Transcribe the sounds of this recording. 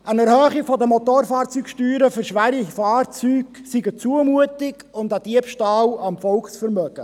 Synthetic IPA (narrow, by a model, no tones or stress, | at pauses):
ʔænɛɾhœːχɪfɔdəmot̪oːɾfɑːɾt͡syːkʃtyːɾəfʏɾʃʋæɾifɑːrt͡syːɡsiɡət͡suəmuətɪɡʊndæd̥iəpʃtɑːlɑmfɔlksfɛɾmœɡ̥ə